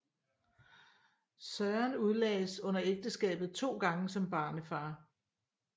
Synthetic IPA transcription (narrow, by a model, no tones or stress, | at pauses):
sœːɐnuð̞ˠlɛ̰ːsɔ̽n̰ɐeɡ̥̚d̥əsɡ̥ɛ̰ːb̥ð̞̩ˠt͡sʰo̝̰ːɡ̥ɑ̈ŋəsɒ̽mb̥ɑ̈ːnəfɑ̈ː